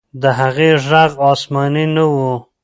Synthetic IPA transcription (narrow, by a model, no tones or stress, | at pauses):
d̪əɦaɣeʐaɣɑsmɑninawu